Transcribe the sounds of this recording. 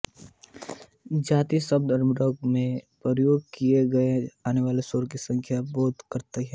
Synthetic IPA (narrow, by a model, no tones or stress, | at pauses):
d͡ʒaːt̪isəb̚d̪əɾmɾɔːɡmẽpɾəɾəjoːɡ̚kijeɡɐeaːneʋaːlesoːɾkisɐ̃ŋkʰjabɔːt̪kɐɾt̪eɦɛ̃ː